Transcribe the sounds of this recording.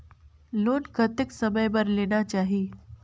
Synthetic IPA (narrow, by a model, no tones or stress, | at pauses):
loːnkɐt̪ɪksɐməjbɐɾleːnat͡ʃaːɦieː